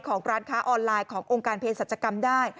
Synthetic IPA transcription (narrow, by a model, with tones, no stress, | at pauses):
kʰɔː˩˦ŋɾaː˦˧˥nkʰaː˦˥ʔɔː˧nlaː˧jkʰɔː˩˦ŋʔoː˧ŋkaː˧npʰeː˧sa˨˩t̪̚t͡ɕʰːa˧ka˧mdaː˥˩j